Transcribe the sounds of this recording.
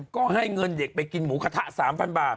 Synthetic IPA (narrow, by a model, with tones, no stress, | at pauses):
kɔ˧haː˧˩jŋə˨˧˩nzeː˨˩k̚ɓe˨˩kːi˨˧˩nmuː˨˦xaː˧˩t̪ʰa˧˥saː˨˦mfa˧˩nɓaː˨˩